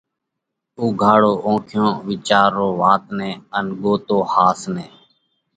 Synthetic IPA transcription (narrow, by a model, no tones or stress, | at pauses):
uːɡʱaːɽoːʔõːkʰjõːʋiːt͡ʃaːɾːoːʋaːt̪nɛ̃ːənɠoːt̪oːhaːsneː